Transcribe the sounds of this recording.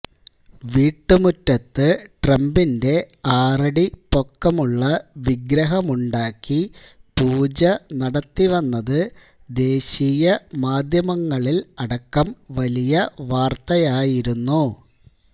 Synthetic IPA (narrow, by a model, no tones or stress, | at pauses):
ʋiːʈːɨmutːɐt̪ːɨʈrɐmbinde̞ | aːrɐɽipo̞kːɐmuɭːɐʋiɡɾɐɦɐmuɳɖaːkːi | puːd͡ʑɐnɐɽɐt̪ːiʋɐnːɐðɨ | d̪e̞ːɕijɐmaːd̪ʱjɐmɐŋːɐɭilɐɽɐkːɐmʋɐlijɐʋaːrt̪ɐjaːjiɾunːu